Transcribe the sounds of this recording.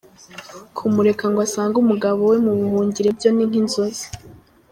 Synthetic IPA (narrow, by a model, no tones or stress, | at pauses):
kʰumuɾe̞kaŋɡwasaːŋɡumuɡaβo̞we̞muβuhuːɲɟiɾe̞bɟo̞niŋ̥hinzozi̥